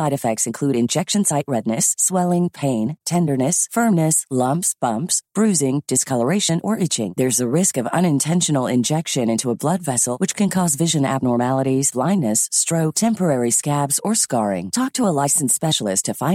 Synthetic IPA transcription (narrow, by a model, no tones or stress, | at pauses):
aɪɾɨfɛk̚tsɨ̃nkʰl̥ʉɾɨ̃nd͡ʒɛkʃɨ̃n̩saɪʔ̚ɹɛdⁿnɨswɛlˠɪ̃ŋpʰẽɪ̃ntʰɛ̃ndə˞nɨsfɜ̃˞mnɨslʌ̃mpsb̥ʌ̃mpsb̥ɹʉzɪ̃ŋd̥ɨskʰʌlˠə˞eɪʃɨ̃nʔə˞ʔɪt͡ʃɪ̰̃ŋðə˞zɨɹɪskʌvʌ̰̃ñɨ̃ntʰɛ̃nʃɨn̩l̩ˠɪ̰̃nd͡ʒɛkʃɨ̃nɪ̃ntʰuəblʌdvɛsl̩ˠwɨt͡ʃkʰɨ̃nkʰɔzvɪʒɨ̃næ̰b̚nɔɹmælˠəɾizb̥lãɪ̃nːɨsːtɹ̥oʊk̚tʰɛ̃mpə˞ɛɹiskæbz̥ə˞skɑɹɪ̰̃ŋtʰɔk̚tʰəəlaɪsn̩spɛʃl̩ˠɨstʰɨfãɪ̃